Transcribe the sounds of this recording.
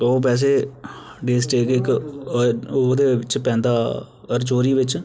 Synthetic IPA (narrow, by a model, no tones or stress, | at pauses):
oːp̬ɛːs̬eːɖeːsʈeːkɪk | oːd̪eːʋɪt͡ʃpɛ̃ːnd̪aː | əɾt͡ʃoːɾiːʋɪt͡ʃ